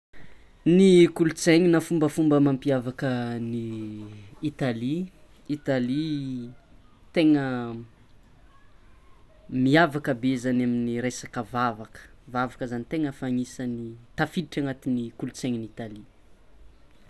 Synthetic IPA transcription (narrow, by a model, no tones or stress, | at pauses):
nikulut͡seɲinafumbəfumbəmampiavakəniː | t̪ali | it̪ali | t̪eŋə | miavakəbezanaminiɾesakəvavakə̥vavakəzanit̪eŋəfaɲisənit̪afiliʈ͡ʂaŋat̪inikulut͡seɲinit̪ali